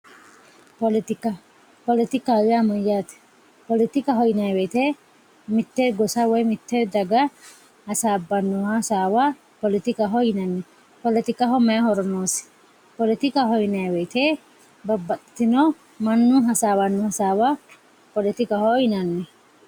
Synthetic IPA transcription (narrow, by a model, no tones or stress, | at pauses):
pɔlɪt̪ɪkɐ | pɔlɪt̪ɪkaːwɪamɔjːaːt̪ɛ̥ | pɔlɪt̪ɪkɐɦɔjnɐjwɛjt̪e | mɪt̪ːɛɡɔsawɔjmɪt̪ːɛd̪ɐɡɐ | hɐsaːbːɐnːɔhɐsaːwa | pɔlɪt̪ɪkɐɦɔjɪnɐnːɛ | pɔlɪt̪ɪkɐɦɔmɐhɔɾɔnoːsɪ̥ | pɔlɪt̪ɪkɐɦɔjnɐjwɛjt̪e | bɐbːɐt̪t̪ːɪnɔ | mɐnːʊɦɐsaːwɐnːɔhɐsaːwa | pɔlɪt̪ɪkɐhɔjnɐnːɛ